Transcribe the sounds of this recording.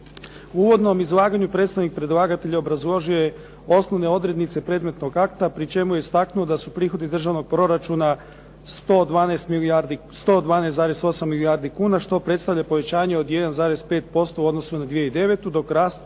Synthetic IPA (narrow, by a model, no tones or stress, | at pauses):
uuːʋo̞d̪no̞mizlˠaːɡaɲupɾet̪st̪aʋnik̚pɾe̞d̪lˠaɡat̪e̞ʎaobɾazlˠoʒije̞ | o̞snoʋne̞o̞d̪ɾe̞d̪nit̪se̞pɾe̞d̪me̞t̪no̞ɡakt̪apɾit͡ʃe̞mujest̪aknuod̪asupɾiːxo̞d̪id̪r̩ʒaʋno̞ɡ̚pɾo̞ɾat͡ʃuna | st̪od̪ʋaːnest̪milaɾd̪ist̪od̪ʋaːneszaːɾe̞so̞samːiliaɾd̪ikuːnaʃt̪o̞pɾe̞t̪st̪aʋʎapoʋe̞t͡ɕaːɲeo̞d̪je̞d̪anzaːɾe̞zpe̞ːt̪̚po̞st̪ouo̞d̪no̞sunad̪ʋijeid̪e̞ʋe̞t̪ud̪o̞kɾaːst̪